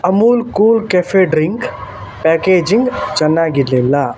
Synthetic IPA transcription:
ɐmuːlkuːlkeːfeɖɾiŋk | pɛːkeːd͡ʒĩŋɡt͡ʃɐnːaɡileːlaː

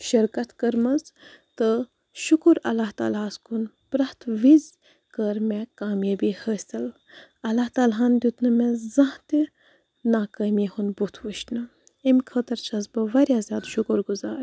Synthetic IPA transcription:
ʃiɾkɐt̪kəɾmɐzt̪ə | ʃukuɾɐ̰lːaɦt̪a̰ːlaːskun | pɾɐht̪ʰʋiz | kəɾmẽkaːmjɐbihəsil | ɐlːaht̪aːlɦand̪ʲut̪nɨmẽzɐɦt̪i | naːkɐːmiːhunbut̪ʰʋuʃnɨ | imʲkʰət̪ɐɾt͡ʃʰɐzbɐʋɐɾjaːzʲjaːd̪ʃukuɾɡuzaːɾʲ

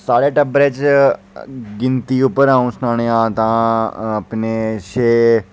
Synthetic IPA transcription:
saːɽeːʈəbɾẽːt͡ʃ | ɡɪnt̪iːʊpːəɾãːũːsnãːɽ̃ẽːãːt̪ãːəpneːʃeː

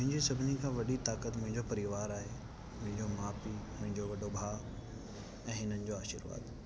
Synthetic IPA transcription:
ʊ̃ɦɪ̃ɲd͡ʑisɐbʱnikʰãʋɐɗit̪aːkət̪mʊ̃ɦɪ̃ɲd͡ʑopɐɾɪʋaːɾaːɦeː | mʊ̃ɦɪ̃ɲd͡ʑomaːpimʊ̃ɦɪ̃ɲd͡ʑoʋɐɖobʱaːʋ | ɛ̃ːɪnənɪ̆d͡ʑoaːʃɪ̰ɾʋa̰ːd̪

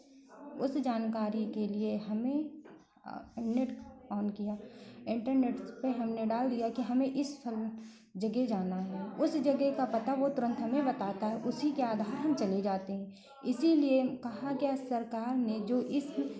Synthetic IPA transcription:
ʊsd͡ʒaːnkaːɾikelieɦɐmẽ | ɪneʈɔːnkijaːɪ̃ɳʈəɾneʈspeɦɐmneɖaːld̪ijakiɦɐmẽʔɪspʰɐl | d͡ʒɐɡed͡ʒaːnaɦɛːʊsd͡ʒɐɡekapɐt̪aʋot̪ʊɾə̃nt̪ɦɐmẽbɐt̪aːt̪aɦɛʔʊsikeaːd̪ʱaːɦɐmt͡ʃɐled͡ʒaːt̪eɦɛ̃ː | ɪsiliekɐɦaɡejasɐɾkaːɾned͡ʒoːʔɪs

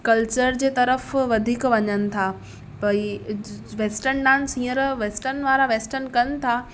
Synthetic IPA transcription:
kɐlt͡ɕəɾd͡ʑeːt̪ɐɾəfʋɐd̪ʱiːkʋɐɲənɪ̆t̪ʰaː | pɐi | ʋeːsʈənɖãːnsɦĩːə̃ɾʋeːsʈənʋaːɾaʋeːsʈənkɐnɪ̆t̪ʰaː

